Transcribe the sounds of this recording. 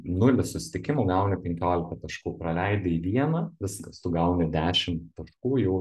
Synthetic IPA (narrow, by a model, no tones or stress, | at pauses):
nʊlʲɪsʊsʲɪ̥t̪ʲɪkʲɪmuːɡɐʊnʲɪpʲɛŋʲkʲoːlʲɪkɐt̪ɐʃkuːpɾɐlʲɛɪd̪ʲɪiːʋʲiɛnɐʋʲɪskɐst̪ʊɡɐʊnʲɪd̪ʲæːʃʲɪmttt̪ɐʃkuːjɛʊ